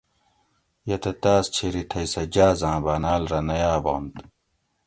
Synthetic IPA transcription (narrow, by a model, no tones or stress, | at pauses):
jɐt̪ɐt̪aːst͡ɕʰeɾiʈʰɐjsɐd͡ʑaːzãːbaːnaːlɾɐnɐjaːboːnt̪